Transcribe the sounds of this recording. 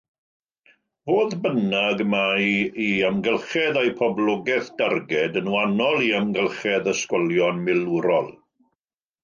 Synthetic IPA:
voːðbənaɡmajiamɡəlˠχɛðajpʰɔblˠɔɡɛθd̥arɡɛdənuanɔlˠiəmɡəlˠχɛðəskɔlˠjɔnmɪluɾɔlˠ

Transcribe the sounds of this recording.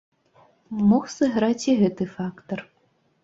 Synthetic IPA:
mɔxsɐɣɾat͡sʲiɣɛt̪ɨfakt̪ɔr

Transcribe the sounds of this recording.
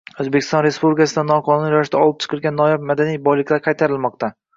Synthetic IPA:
ɵzbekʲɪ̥st̪ɒnɾe̞spublɪkʲasɪd̪anːɒqʰɒnʊnjɒɪʃt̪aɒlˠɪp̚t͡ʃʰɨ̥qʰɨlˠɡʲanːɒjap̚mad̪anijbɒjlɪkʲlaɾqʰɑjt̪ʰaɾɪlˠmɒqt̪a

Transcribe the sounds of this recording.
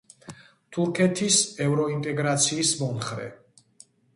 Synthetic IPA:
t̪ʰuɾkʰɛt̪ʰisɛvɾɔint̪ʼɛɡɾat̪sʰiːsmɔnχɾɛ̰

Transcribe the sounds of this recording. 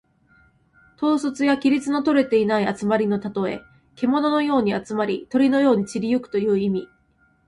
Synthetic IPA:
t̪o̞ːsot͡sɨjakʲiɾʲit͡sɨno̞t̪o̞ɾe̞t̪e̞inaiat͡sɨmaɾʲino̞t̪at̪o̞e̞̰ | ke̞mo̞no̞no̞jo̞ːɲ̟iat͡sɨmaɾʲit̪o̞ɾʲino̞jo̞ːɲ̟it͡ɕiɾʲijɯ̟kɯ̟̥t̪o̞jɯ̟ːimʲi

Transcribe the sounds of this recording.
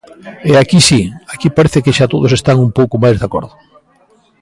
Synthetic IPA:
ɛakisiakipaɾeθɪkɪʃat̪oðʊsest̪aŋumpowkʊmajzðako̰ɾðʊ

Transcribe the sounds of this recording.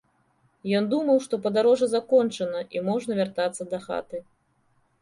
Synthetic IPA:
jɔnd̪umɐwʂt̪ɔpɐd̪aɾɔʐɐzakɔnt͡ʂɐnɐʔimɔʐnɐvʲart̪at̪sːɐd̪ɐxa̰t̪ɨ

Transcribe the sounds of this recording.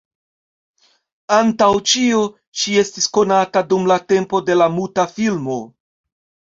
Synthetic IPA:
antawt͡ʃio̞ | ʃie̞stisko̞natadumlate̞mpo̞de̞lamutafilmo̞

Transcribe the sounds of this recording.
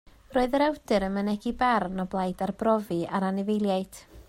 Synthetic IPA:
roːɨðəɾɛwdɨɾənmənɛɡibarnɔblˠajdarbrɔviaɾanɪvejlˠjajd̥

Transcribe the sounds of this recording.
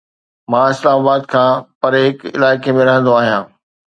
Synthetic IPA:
mãːɪslaːmaːbaːd̪kʰãːpɐɾɦɪkɪ̰laːɪkemẽɾɐɦə̃nd̪oaːɦijãː

